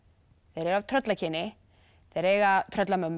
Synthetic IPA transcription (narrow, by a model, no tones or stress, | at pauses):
θeɾɛɾav̥t̪ʰɾœt̪lacʰɪnːɪ | θejɾɛjɣat̪ʰɾœt̪lamœmː